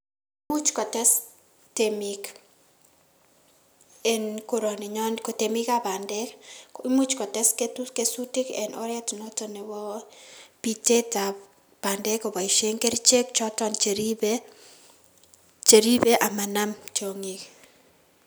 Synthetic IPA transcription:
mu˦t͡ʃkɔ˨tɛ˦s | temik | ɛnko˨ɾo˨niɲɔnkote˨mi˦kaba˨ndɛki˦mu˦t͡ʃkɔ˨tɛ˦sketukesuti˦kɛ˨nɔɾɛ˦tno˦tɔnɛ˨wɔ˦ | pite˦ta | b̥a˨ndɛ˦kɔ˨ba˨i˨ʃe˦ŋke˦ɾit͡ʃe˦k̚t͡ʃɔ˦tɔnt͡ʃeɾibe | t͡ʃe˨ɾi˦be˦ʔa˨ma˨na˦mt͡ʃo˨ŋi˨k

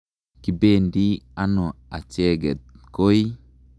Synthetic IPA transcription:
ki˨be˦˨ndi˦a˦nɔ˨a̰˨t͡ʃɛ˦ɡɛ˨t̪̚ko˦j

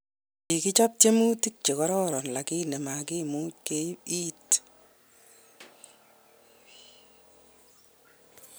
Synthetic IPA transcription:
i˨ki˦t͡ʃa˦p̚te˦mu˦ti˦k̚t͡ʃe˨kɔ˦ɾɔ˦ɾɔ˨nla˨kɪ˦nɛ˨ma˨kɪ˦mu˦ke˦i˦t

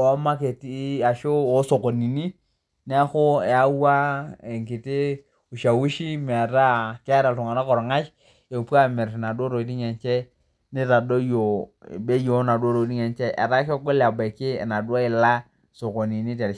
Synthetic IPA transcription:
ɔ˨˦ma˦ke˨ti˦a˨ʃo˦o˦so˨ko˨ni˨ni˦ | ni˦a˦xo˦ɛ˨a˦wa˦e˨ŋki˨tɪ˦ | u˨ʃa˨wu˦ʃi˦m˨a˨ɾa˦kɪ˦a˦ɾa˨tʊ˨ŋa˨na˦kɔ˨ɾɔ˨ŋa˦t͡ʃ | e˨pu˦a˦mɪ˨ɾna˨do˦ɾo˨di˦ɲɛ˨nt͡ʃɛ˦ | nɪ˦ɾa˨do˦jo̰˨be˦jo˦na˨du˦o˦ɾo˨˦di˦ɲɛ˨nt͡ʃɛ˦ʔɛ̰˨ɾa˦kɔ˦ɡo˦la˨ba˨kɪ̰˦˨na˨dwa˦ɪ˨la˦ | so˨ko˨ni˨ni˦tɛ˨ɾ

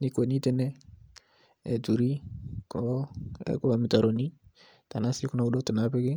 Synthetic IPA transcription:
ni˨˦ko˨ni˦tɛ˦nɛ˦ | ɛ̰˨tu˨ɾi˦kɔ˨˦ɛ̰˨ko˦˨mi˨ta˨ɾo˨ni˦ | ta˨na˦si˦ku˦na˨u˦do˦tɪ˨na˨˦pe˦ɡɪ˦

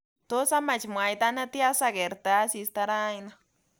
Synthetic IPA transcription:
t̪o˦sa˦ma˧t͡ʃmwa˨jd̪a˧na˦t̪ja˦sa˧ɡe˨ɾt̪a˧˦si˧st̪a˧ɾa˦jna˧

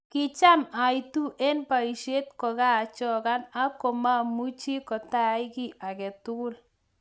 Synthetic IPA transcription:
kɪ˨t͡ʃa˦ma˨jtu˦ʔe˦npa˨i˨ʃe˦t̪kɔ˨ɣaː˦˨t͡ʃɔ˦ɣa˦na˦kɔ˨ma˦mu˦t͡ʃi˦kɔ˨ta˦jɡi˦ʔa˨kɛ˨t̪ʊ˦ɡʊ˦l

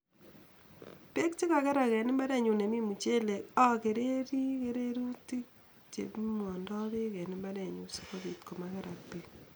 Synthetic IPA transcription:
pe˦kt͡ʃe˦ka˨kɛ˦ɾa˨kɛ˨nɪ˦mba˦ɾɛ˨ɲu˨ne˨mi˦mu˨t͡ʃe˦le˨ka˦ke˨ɾe˦ɾi˦ke˦ɾe˦ɾu˦ti˦k̚ | t͡ʃḛ˨pmɔ˨ndɔ˦βe˦kɛ˨nɪ˦mba˦ɾɛ˨ɲu˦si̥˦ko˦βi˨tko˨ma˦kɛ˦ɾa˨k̚pek

